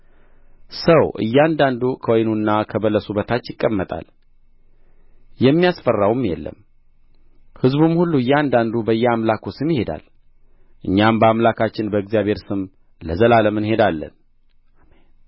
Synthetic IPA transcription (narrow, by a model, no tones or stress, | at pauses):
səwʔɨ̰jːɛand̪and̪ukʰəwɔjnunːakʰəbələsubət̪ʰat͡ʃːjɪkʼːəmːət̪ʼa̰l | jɛmːijasfərːawumjɛlːə̰m | hɨzbumhulːuɨjːɛand̪and̪ubəjːɛamlakusɨmjɪhe̞d̪a̰l | ʔɨɲːambəamlakʰat͡ʃːɪnbəɨɡzijaβhe̞ɾsɨm | ləzəlaləmɨnhe̞d̪alːə̰n | ʔamen